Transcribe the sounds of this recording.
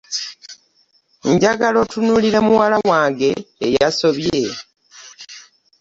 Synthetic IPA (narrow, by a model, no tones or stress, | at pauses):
ɲɟaɡalo̞tunuliɾe̞muwalawaːŋɡe̞ːjaso̞βje